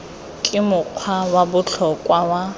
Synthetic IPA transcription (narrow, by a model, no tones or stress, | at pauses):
kʼɪmʊq͡χʰwawabʊt͡ɬʰɔkʼwawa